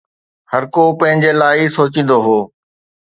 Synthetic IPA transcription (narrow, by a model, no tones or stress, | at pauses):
hɐɾkopɐ̃ɦɪ̃ɲd͡ʑelaːɪsoːt͡ɕĩːn̆d̪oɦoː